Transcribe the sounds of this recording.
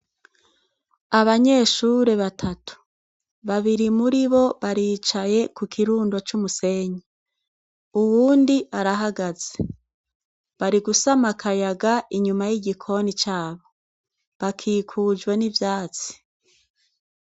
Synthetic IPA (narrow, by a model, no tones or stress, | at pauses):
aβaɲe̞ʃuɾe̞βatʰatu̥ | βaβiɾimuɾiβo̞βaɾiːt͡ʃaje̞kukʰiɾuːndot͡ʃumuse̞ɲe | uwuːndiaɾaɦaɡaz̥e | βaɾiɡusamakʰajaɡaʔiɲumajiɟikʰo̞nit͡ʃaːβo̞ | βakʰiːkʰud͡ʒɡwe̞nivjaːt͡si̥